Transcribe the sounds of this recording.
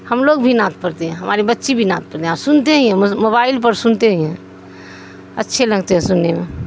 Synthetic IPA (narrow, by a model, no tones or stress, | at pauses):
həmloɡbʱinãt̪̚pəɾt̪eɦɛ̃ɦəmaɾibətːʃibʱinãt̪̚pəɾt̪eɦasʊnt̪eɦĩɦɛ̃moβailpəɾsʊnt̪eɦĩɦɛ̃ | ə̰tːʃʰeləɡt̪eɦɛ̃sʊnːeme